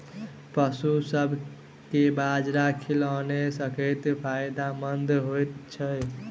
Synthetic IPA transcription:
pəsusəbʱ | kebad͡ʒɾakʰilənesəkət̪pʰajd̪amənd̪ɦojt̪t͡ʃʰəj

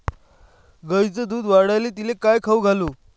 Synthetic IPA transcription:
ɡəjt͡səd̪uːd̪ʋaɽajlet̪ilekajkʰəʋɡʱaluː

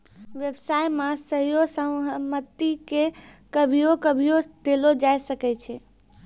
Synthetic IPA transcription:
ʋjəbsajmãsəɦijosəmət̪ːikekəbʱijokəbʱijod̪̥elod͡ʒajsəkɛt͡ʃʰɛ

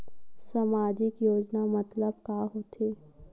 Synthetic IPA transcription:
samaːd͡ʒɪkjoːd͡ʒnamɐt̪ləb̚kaːɦoːt̪ʰeː

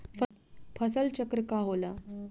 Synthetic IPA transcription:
fʰəpʰəsəlt͡ɕəkɾəkaɦola

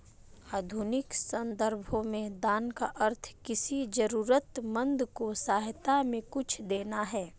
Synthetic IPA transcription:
aːd̪ʱʊnɪksɐ̃nd̪əɾbʱõmẽd̪aːnkaʔɐɾt̪ʰkɪsid͡ʒəɾuːɾət̪mɐ̃nd̪kosaːɦt̪amẽkʊt͡ʃʰd̪eːnaɦɛː

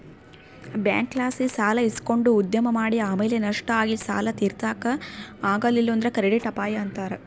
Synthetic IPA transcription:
bja̰ːŋkːlaːsisaːlɐisko̞ɳɖuːd̪jɐmɐmaːɽiaːmeːlenɐʂʈɐaːɡisa̰ːlɐt̪iːɾt̪aːkɐaːɡɐlːilːuɐnd̪ɾekɐɾiɽiʈɐpaːjɐɐnt̪aːɾe

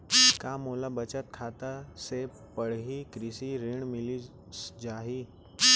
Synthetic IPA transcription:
kamolabət͡ʃət̪̚kʰaːt̪ase | pəɽ̤ɦikɾɪsiɾiɳ̃mɪli | d͡ʒaːɦi

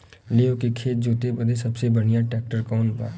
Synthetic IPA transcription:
leːõkekʰeːt̪̚d͡ʒoːt̪ebəd̪esɐbsebəɽijaʈɛːk̚ʈəɾkɔːnba̰ː

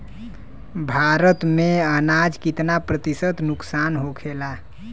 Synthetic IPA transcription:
bʱaɾət̪mẽənad͡ʒkit̪napɾət̪isət̪nʊksanɦokʰela

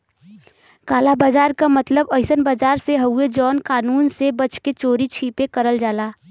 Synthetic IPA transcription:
kaːlabaːd͡ʒaːɾkamət̪ləbəɪsənbaːd͡ʒaːɾseɦəued͡ʒɔːnkaːnuːnsebət͡ʃket͡ʃoːɾit͡ʃʰipekəɾəld͡ʒaːlaː

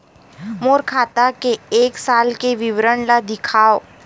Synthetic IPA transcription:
moːɾkʰaːt̪akeeːksaːlkeʋɪʋɾəɽlad̪ɪkʰaːo

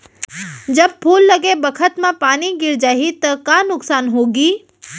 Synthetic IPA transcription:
d͡ʒɐb̚pʰuːlːɐɡebɐkʰət̪mãpaːniɡɪɾd͡ʒaːɦit̪ɐkanʊksaːnɦoːɡiː

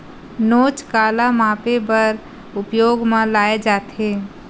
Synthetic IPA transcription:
noːt͡ʃkaːlamãːpebəɾ | ʊpjoːɡmẽlaːed͡ʒaːt̪e

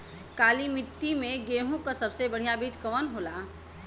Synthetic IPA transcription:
kalimit̪ːimeɡeɦũkəsəbsebəɽ̤ijabid͡ʒkəʋənɦola

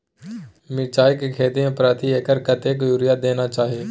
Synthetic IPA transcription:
mɪɾt͡ʃaːjkekʰeːt̪iẽpɾaːt̪ʰieːkəɾkɐt̪ekjuɾijad̪eːnat͡ʃaːɦieː

